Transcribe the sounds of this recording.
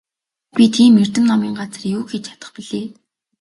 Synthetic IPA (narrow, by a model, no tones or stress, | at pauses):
pʲit̪ʰiːmːer̥t̪ɘ̆mnɔmiːŋɢat͡s̆rjuːxet͡ɕt͡ɕʰḁt̪ə̆χpiɮeː